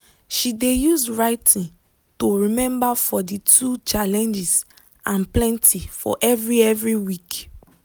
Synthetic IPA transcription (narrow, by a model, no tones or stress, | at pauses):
ʃidejusɹaɪtʰĩn | toɹimɛ̃mbafɔditʰut͡ʃalɛ̃nd͡ʒis | ãnplɛ̃ntʰifɔ̰ʔɛvɹiɛvɹiwik